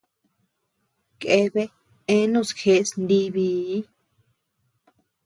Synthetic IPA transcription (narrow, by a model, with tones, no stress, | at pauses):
ke˧˦βe˦ | ẽ˦nũ˦˨sxe˧˦snd̪i˦βi˧˦